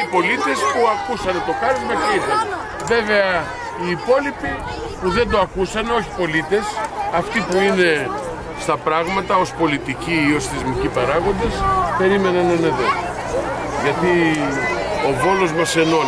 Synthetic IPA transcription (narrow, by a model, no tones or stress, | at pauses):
ipo̞lit̪e̞spuɐkusɐnet̪o̞kɐnumɐceine | ve̞ve̞ɐ | iːpo̞lipi | puðe̞nd̪o̞ɐkusɐno̞çi̥po̞lit̪e̞sɐft̪ipuine̞ | st̪ɐpɾɐɣmɐt̪ɐo̞spo̞lit̪iciːo̞sθezmicipɐɾɐɣo̞nd̪espe̞ɾime̞nɐnɐneðo̞ | ʝɐt̪i | o̞vo̞lo̞zmɐse̞no̞